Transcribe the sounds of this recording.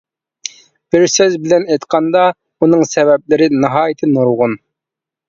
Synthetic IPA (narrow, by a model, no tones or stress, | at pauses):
b̥ɪɾsøzbɪlɛnɛjt̪qʰɑnd̪ɑ | unɨŋsɛvɛp̚lɪɾɪnɨɦɑːjɪt̪ʰɪnuɾʁʊn